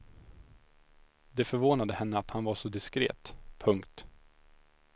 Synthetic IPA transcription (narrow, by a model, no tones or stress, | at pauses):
d̪ɛfœɾvoːnad̪əhɛnːəat̪hanvaʂɔd̪ɪskɾḛːt̪pʰɵŋkt̪